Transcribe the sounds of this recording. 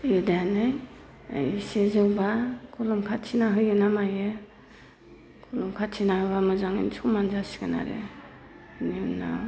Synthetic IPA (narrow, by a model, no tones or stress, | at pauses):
jɯdajanɯj | a̰jsezɯwbakʰɔlɔmkʰatt͡ʃʰinaɦɯjɯnamajɯ | kʰulɔmkʰasʰinahɯbamɯzaŋḭnsʰumanzasi̥ɡana̰ɾḛ | nina̰